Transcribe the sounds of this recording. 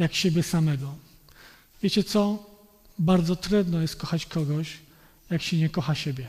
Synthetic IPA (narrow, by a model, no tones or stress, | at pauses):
jakɕebʲjɛsamɛɡɔ | vʲjet͡ɕɛt̪sɔ | baɾd̪zɔt̪ɾud̪nɔjɛst̪̚kɔxat͡ɕkʰɔɡɔɕ | jakɕɛɲɛkɔxaɕebʲjɛ